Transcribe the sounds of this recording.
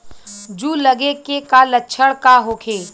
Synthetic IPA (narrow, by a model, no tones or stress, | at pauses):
d͡ʒuləɡekekalətːʃʰəɽkaɦoːkʰeː